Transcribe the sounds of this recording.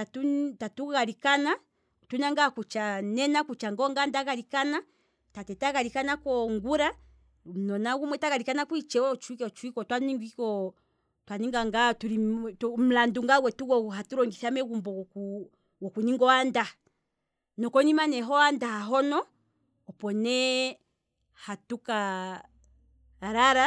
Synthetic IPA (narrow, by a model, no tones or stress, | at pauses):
atutatuɣalikana | tunaŋɡakut͡ʃanɛnakut͡ʃaŋɡɔŋɡandaɣaɾikana | tatɛtaɣalikanakɔŋɡuɾa | m̩nɔnaɡumwɛtaɣaɾikanakuit͡ʃɛɔt͡ʃuikt͡ʃuikɔtwaniŋɡikɔ | twaniŋɡaŋɡatulitum̩landuŋɡawɛtuɣɔɦatuɾɔŋɡiθamɛɣumbɔɔku | wɔkuniŋɡɔanda | nɔkɔnimanɛɦɔandahaɦɔnɔ | ɔpɔnɛ | hatuka | aɾaɾa